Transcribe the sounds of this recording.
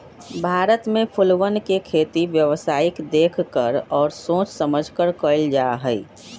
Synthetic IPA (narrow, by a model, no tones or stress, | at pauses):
bʱaːɾət̪mẽpʰʊlʋənkekʰeːt̪iʋjəʋsaːɪkd̪eːkʰkəɾɔːɾsõːt͡ʃsəməd͡ʒʱkəɾkəɪld͡ʒaːɦəi